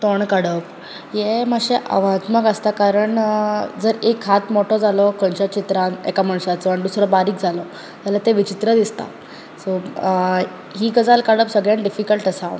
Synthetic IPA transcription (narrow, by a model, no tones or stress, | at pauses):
t̪oɳkaɽəp | jeməɕeʔa̰ʋat̪məkəst̪akaɾəɳd͡zəɾekʰːat̪mɔʈɔd͡zalɔkənt͡ɕat͡ɕit̪ɾãnɛ̰kamaɳsat͡sɔaɽid̪usɾɔbaɾiːkd͡zʱalɔ | d͡zalat̪eʋit͡ɕit̪ɾəd̪ist̪a̰ | so | ɦiːɡəd͡zalkəɽəpsəɡɭãɳɖifikəlʈəsa